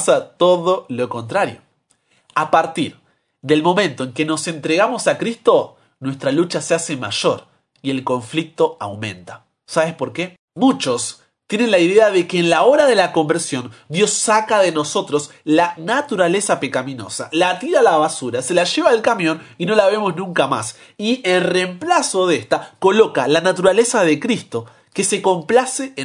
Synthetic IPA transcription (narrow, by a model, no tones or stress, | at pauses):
sat̪o̞ðo̞loko̞nt̪ɾaɾjo̰ | apaɾt̪iɾ | ðe̞lmo̞mẽnt̪o̞eŋke̞nose̞nt̪ɾeɣamo̞sakɾist̪o̞ | nwe̞st̪ɾalut͡ʃasease̞ma̰ʒo̞ɾ | ie̞lko̞ɱflik̚t̪o̞awmẽ̞̰nt̪ḁ | saβespo̞ɾke̞ | mut͡ʃo̞s | t̪je̞ne̞nlaiðeaðe̞keːnlao̞ɾaðe̞lako̞mbeɾsjõ̞nd̪jo̞sːakaðeno̞so̞t̪ɾo̞slanat̪uɾale̞sape̞kamĩno̞̰salat̪iɾalaβasuɾase̞laʒe̞βaːlkamjõ̞nino̞laβ̞e̞mo̞znũŋkama̰s | ielremplaso̞ðest̪ako̞lo̞kalanat̪uɾale̞saðekɾist̪o̞ | ke̞se̞ko̞mplase